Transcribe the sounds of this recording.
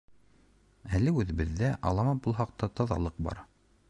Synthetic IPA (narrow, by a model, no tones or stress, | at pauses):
ælɘʉðɘ̆βɘ̆ðːæʔɑ̰lˠɑmɑpbulˠɦɑq̚t̪ɑt̪ɑðɑ̰lˠɤq̚bɑ̰ɾ